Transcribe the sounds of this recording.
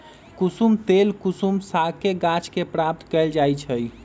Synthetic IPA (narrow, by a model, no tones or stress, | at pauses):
kusumt̪elkusumsakeɡat͡ʃkepɾap̚t̪kɛld͡ʒajt͡ʃʰəj